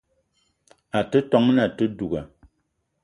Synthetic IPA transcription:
a˨tə˦tɔ˨˦ŋna˨tə˦du˨ɡa̰˨

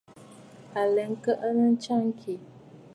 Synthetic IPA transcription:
a˨lɛ˨ŋ̩˦kə˦ʔə˦nə˦n̩˦t͡ʃa˦ŋ˦kʰi˨

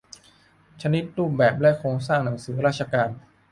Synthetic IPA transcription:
t͡ɕʰa˧ni˦˥t̪̚ɾuː˥˩p̚bɛː˨˩p̚lɛ˦˥kʰɾoː˧ŋsaː˥˩ŋna˩˦ŋsɯː˩˦ɾaː˥˩t̪̚t͡ɕʰa˧kaː˧n

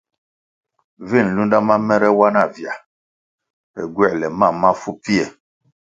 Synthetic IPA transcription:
vi˦˨n˨lu˦nda˦ma˦mɛ˦ɾɛ˦wa˦na˦˨vja˨ | ɛ̰˨ɡwɛ˦˨lɛ˨ma˦˨ma˦fu˦pi˦ɛ˨

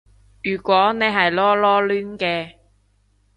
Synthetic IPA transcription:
jyː˨˩kʷwɔː˨˥ne˨˧jɦɐ˨jlɔː˦˥lɔː˥lyː˥nkɛː˧

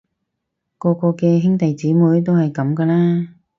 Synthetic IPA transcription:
kɔː˧kɔː˧kɛː˧ɦɪ˥ŋt̪ɐ˨jt͡siː˨˥muː˨˧˥jt̪o˥whɐ˨jkɐ˨˧˥mkɐː˧laː˥

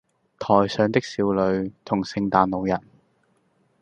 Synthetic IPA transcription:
t̪ʰɔː˨˩jsœː˨˧ŋt̪ɪ˥k̚siː˧wlɵ˨˧ɥt̪ʰʊ˨˩ŋsɪ˧ŋt̪aː˨˧nlo˨˧wjɐ˨˩n̚

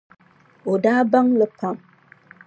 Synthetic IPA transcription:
o˨daː˦ba˦ŋlə˦pa˦˨m

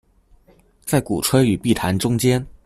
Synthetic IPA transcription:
t͡sa˥˩ɪkṵ˨˩ʈ͡ʂʰwə˥y˨˩pi˥˩t̪ʰa˧˥nʈ͡ʂʊ˥ŋt͡ɕjɛ˥n

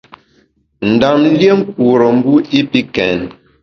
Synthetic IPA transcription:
n̩˨da˨m˦lje˦ŋ̩˦k̚u˨ɾə˨m̩˦bu˦i˦pi˦kɛ˨n

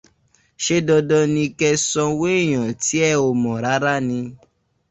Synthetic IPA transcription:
ʃe˦dɔ˧dɔ˧nĩ˧kɛ˧sɔ̃˧we˦˨j̃ã˨ti˨˦ɛ˦˨o˨mɔ̃˨ɾa˨˦ɾa˦nĩ˧

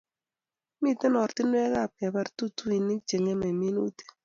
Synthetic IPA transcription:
mi˦˨te˦nɔ˨ɾtɪ˦n˦ɛ˦ɣa˦˨p̚kɛ˨bɛ˦ɾtu˦tu˦i˨ni˦k̚t͡ʃe˨ŋe˦mɛ˨me˦nu˦t̪e̥˦

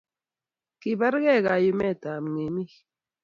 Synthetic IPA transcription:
ki˨ba˦ɾɣɛ˦˨ɣa˨ju˨mɛ˦˨ta˨m˨ŋe˨mi˦

